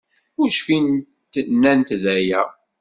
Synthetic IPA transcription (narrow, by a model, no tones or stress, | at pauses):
ʊɾʃfin | t̪nːænt̪ðæjæ